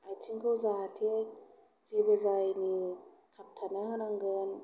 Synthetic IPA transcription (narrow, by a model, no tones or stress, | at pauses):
ajtʰinkʰɔwzaatʰe | zibezajni | kʰap̚tʰanaɦɯnaŋɡɯn